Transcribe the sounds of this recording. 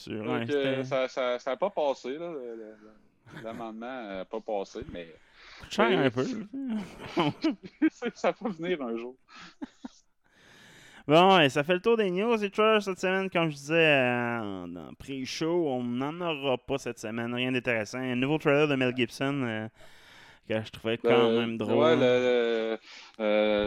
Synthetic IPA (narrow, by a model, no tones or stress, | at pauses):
sy̰ːʁɛ̃seəɛasasaːpɔpɑːselɔllələ | lamɑ̃ːd̪mãpɔpɑːsemɛ | t͡ʃajɛ̃ːpø | ssafɛvniːʁœ̃ːʒuːʁ | bɔ̃esafɛlət̪uːʁd̪enjuːzet̪waləʁsɛt̪səmɛnkʌ̃mʒd̪izɛɑ̰̃d̪ɑ̰̃pʁeʃoɔ̃nɑ̃nəʁɑpʌsɛt̪səmɛnʁjɛ̃d̪ɛ̃t̪eʁesãɛ̃nuvot̪ʁɛlœʁd̪əmɛlɡʲɪbsɔnø | kəʒə̥t̪ʁuvʁɛkɑ̃mɛ̃md̪ʁowɛələ